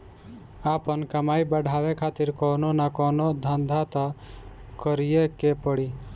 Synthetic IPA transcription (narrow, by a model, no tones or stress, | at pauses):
aːpənkəmaːibəɖʱaːwekʰaːt̪ɪɾkɔːnonakɔːnod̪ʱənd̪ʱat̪a | kəɾijekepəɽi